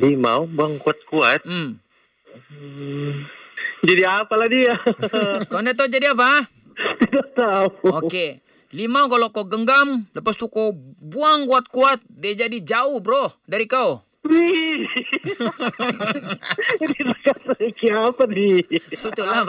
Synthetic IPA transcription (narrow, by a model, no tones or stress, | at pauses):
lima̰wbuaŋkuat̪̚kuat̪̩̚ː | d͡ʒadiapaladia | kandat̪̬aud͡ʒadiapa | t̪idat̪auoke | limawkalokoɡəŋɡamləpast̪ukobuaŋkuat̪̚kuat̪̚diad͡ʒadid͡ʒauhbɾohdaɾikau | di | disakasakiapaniiula